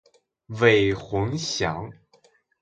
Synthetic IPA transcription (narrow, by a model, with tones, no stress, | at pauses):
we˨˩ɪxʊ˧˥ŋɕjɑ˧˥ŋ